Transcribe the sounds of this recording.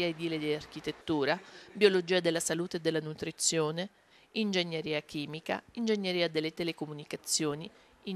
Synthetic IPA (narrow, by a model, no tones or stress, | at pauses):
iaed̪iːled̪iark̟it̪et̪ːuːɾabiolod͡ʒiːad̪elːasaluːt̪eːd̪ːelːanut̪ɾit̪sːjoːne | ind͡ʒeɲːeɾiːakiːmika̰ind͡ʒeɲːeɾiːad̪elːet̪elekomunikat̪sːjoːni | i